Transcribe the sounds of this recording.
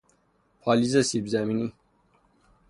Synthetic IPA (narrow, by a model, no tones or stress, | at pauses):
pʰɑlizɐsibzæmini